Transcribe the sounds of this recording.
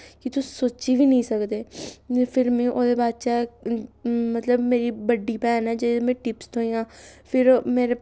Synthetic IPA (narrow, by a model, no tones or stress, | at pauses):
kɪt̪ʊsoːt͡ʃiːʋiːnəĩːsəkd̪eːpʰɪɾmẽːʔoːd̪eːbaːd̪t͡ʃɛ | mət̪ləbmeːɾiːbəɖːiːpɛːnɛːd͡ʒemɛ̃ːʈɪpst̪ʰoːijãːpʰɪɾmeːɾe